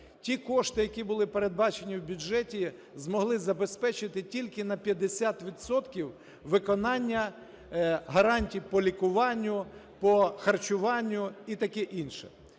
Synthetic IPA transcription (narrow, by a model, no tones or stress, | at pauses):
tʲikɔʃt̪ɪjɐkʲibʊlˠɪpeɾed̪̚bɑt͡ʃenʲiwbʲʊd͡ʒɛtʲi | zmɔɦlˠɪzɐbe̞spɛt͡ʃɪt̪ɪtʲilʲkɪnɐpʲjɐd̪esʲat̪ʋʲid̪sɔt̪kʲiw | ʋɪkɔnɑnʲːɐ | ɦɐɾɑnʲtʲiwpɔlʲikʊʋɑnʲːʊ | pɔxɐrt͡ʃʊʋɑnʲːʊit̪ɐkɛʔinʃɛ̥̰